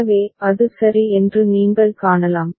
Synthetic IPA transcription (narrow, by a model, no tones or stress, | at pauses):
ʋeːɐðɯsɐɾiɛndrɯniːŋɡɐɭkaːɳɐlaːm